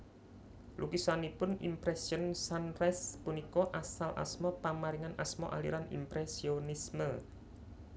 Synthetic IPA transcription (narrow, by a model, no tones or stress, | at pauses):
lʔukisanipʊnḭmpɾɛsiɔnsanrɛspunikɔʔasalʔa̰smɔpamaɾiŋanasmɔ̰ʔa̰lḭɾanḭmpɾesionismə